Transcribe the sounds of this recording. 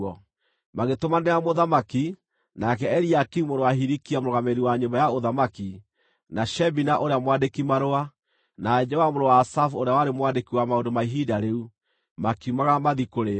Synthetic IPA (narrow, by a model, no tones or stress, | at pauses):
ɔ | maɣetomaneamoðamaki | nakɛɛɾiakimoɾowaɦiɾikiamɾoɣameɾiwaɲombajaoðamaki | naʃɛbinaʔoɾeamwandekimaɾoa | nad͡ʒɛwamoɾowaːsafoɾeawaɾemwandekiwamaondomaiɦidaɾeu | makiumaɣamaðikoɾe